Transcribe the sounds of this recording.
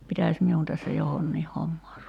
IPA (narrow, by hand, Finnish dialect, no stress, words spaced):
pitæˑsʲ miun tæsːæ johonːiːh homːɑːr